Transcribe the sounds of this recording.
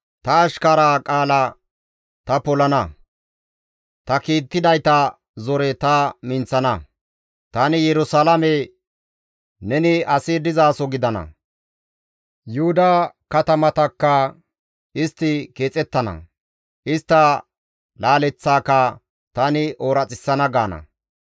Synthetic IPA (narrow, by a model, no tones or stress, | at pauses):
t̪ɐːʃkɐɾaːkʼaːlɐ | t̪ɐpɔlɐnɐ | t̪ɐkiːt̪ːɪd̪ɐjt̪ɐ | zɔɾɛt̪ɐmɪnt͡sːɐnɐ | t̪ɐnɪjɛɾʊsaːlɐmɛ | nɛnɪɐsɪd̪ɪzaːsɔɡɪd̪ɐnɐ̰ | jʊhʊd̪ɐkɐt̪ɐmɐt̪ɐkːɐ | ɪst̪ːɪke̞ːt͡sʼɛt̪ːɐnɐ̰ | ʔɪst̪ːɐ | laːlɛt͡sːaːkɐ | t̪ɐnɪʔoːɾɐt͡sʼɪsːɐnɐɡaːnɐ̰